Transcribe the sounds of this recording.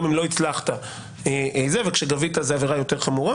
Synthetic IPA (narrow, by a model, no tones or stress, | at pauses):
mimlo̞it͡slaχt̪a | eezevekʃeɡavit̪azeaveʁajo̞te̞ʁχamuʁa